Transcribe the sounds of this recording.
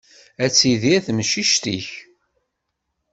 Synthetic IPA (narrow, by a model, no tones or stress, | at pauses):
æt͡sːiðiæθməʃiʃt̪iç